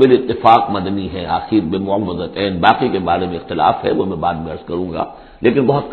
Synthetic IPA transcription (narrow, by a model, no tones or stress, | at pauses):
elɪt̪ːɪfaːqmɐd̪niɦɛ̃ʔa̰ːxiːɾbemʊəʋːəzət̪ɛːnbaːqikebaːɾemẽɪxt̪ɪla̰ːfɦɛ̰ʋomɛ̃baːd̪mẽɐɾzkɐɾũːŋɡa̰ː | lʔeːkɪnbɐɦʊt̪̚k